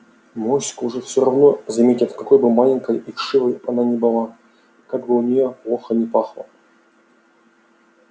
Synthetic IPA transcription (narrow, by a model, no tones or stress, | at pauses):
mosʲkʊʊʐɛfsʲoɾɐvnozɐmʲetʲɪt̪kɐko̞jbɨmalʲɪŋʲkəjʔiʂɨvəjɐnanʲɪbɨlˠa | kaɡbɨʊnʲɪjoplˠoxənʲɪpaxlˠə